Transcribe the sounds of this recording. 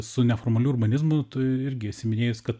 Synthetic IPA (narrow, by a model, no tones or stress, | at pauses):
sʊnʲɛfoːrmɐlʲuːʊrbɐnʲɪzmʊt̪ɐɪɾʲɡʲɪɐtʲsʲɪmʲɪnʲeːjʊskɐt̪